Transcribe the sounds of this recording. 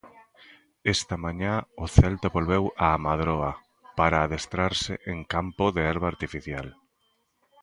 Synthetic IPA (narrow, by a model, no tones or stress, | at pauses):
ɛst̪ɐmaɲãʊθɛlt̪aβolβɛwaːmaðɾɔa | paɾaːðest̪ɾaɾsɪ̰ʔeŋkampʊðeɛɾβaːɾt̪ifiθja̰l